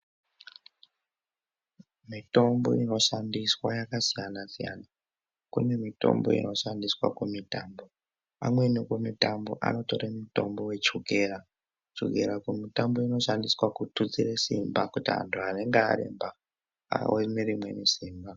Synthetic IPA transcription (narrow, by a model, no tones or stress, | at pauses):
mito̞mbo̞̰ino̞ʃandiswajakasijanasija̰na | kune̞mito̞̰mbo̞̰ḭno̞ʃandiswa̰kemitaːmbo̞ | amwe̞nikomitambo̞̰ʔa̰no̞to̞ɾamuto̞mbo̞we̞t͡ʃuɡʱeːɾa | t͡ʃṵɡʱeɾakumitambo̞ino̞ʃandiswakutut͡siresimbakutiɦa̰ntʰuane̞ŋɡea̰ɾḭmba | a̰wemeɾimwe̞nisiːmba